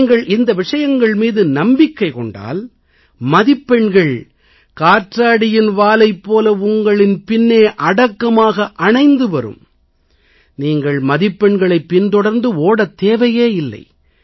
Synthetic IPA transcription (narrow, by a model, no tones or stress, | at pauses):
ŋɡɐɭʔɪnd̪ɐʋɪʂɐjɐŋɡɐɭmiːðɯnɐmbɪkːɐɪkɔɳɖa̰ːl | mɐðɪpːɛɳɡɐɭ | kaːʈraːɽɪjɪnʋaːlɐɪpːoːlɐʊŋɡɐɭɪnpɪnːeːʔɐɽɐkːɐmaːɣɐʔɐɳɐɪnd̪ɯʋɐɾɯ̰m | niːŋɡɐɭmɐðɪpːɛɳɡɐɭɐɪpːɪnt̪ɔɽɐɾnd̪ɯoːɽɐt̪ːeːʋɐjeːɪlːɐ̰ɪ